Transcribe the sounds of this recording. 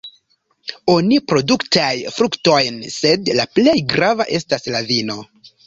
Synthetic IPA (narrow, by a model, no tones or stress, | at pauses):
o̞nipɾo̞duktajfɾukto̞jnse̞dlaple̞jɡɾava̰ʔe̞staslavino̞